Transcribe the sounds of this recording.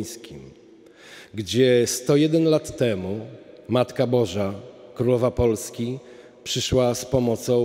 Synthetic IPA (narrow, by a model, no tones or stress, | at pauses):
skʲim | ɡd͡ʑɛst̪ɔjɛd̪ɛnlat̪ːɛmu | mat̪kabɔʐakɾulɔvapɔlskʲi | pʂɘʂwaspɔmɔt̪sɔ̃